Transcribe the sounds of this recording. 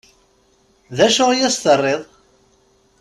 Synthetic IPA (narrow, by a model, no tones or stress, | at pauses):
ðæʃʊʁjæst̪ərˤːeðˤ